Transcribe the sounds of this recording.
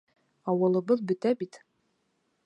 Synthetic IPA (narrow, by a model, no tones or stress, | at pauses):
ɑwɤ̆lˠɤ̆bɤðbɵ̆t̪æbit̪